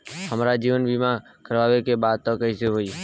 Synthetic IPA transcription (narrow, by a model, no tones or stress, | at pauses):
həmɾaːd͡ʒiːʋənbiːmã | kəɾʋaːʋekebaːd̪̚t̪õːkəiseɦoːiː